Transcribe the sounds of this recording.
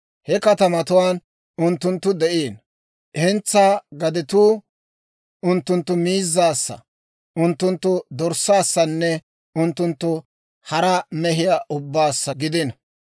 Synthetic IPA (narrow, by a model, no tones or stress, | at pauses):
hɛkɐt̪ɐmɐt̪ʊwaːn | ʔʊnt̪ːʊnt̪ːʊd̪ɛʔeːn | ɛnt͡sːaːɡɐd̪ɪt̪uː | ʔʊnt̪ːʊnt̪ːʊmiːzːaːsːɐ̰ | ʔʊnt̪ːʊnt̪ːʊd̪ɔɾsːaːsːɐnːɛ | ʊnt̪ːʊnt̪ːʊ | hɐɾɐmɛɦɪjaʔʊbːaːsːɐɡɪd̪ɪnɐ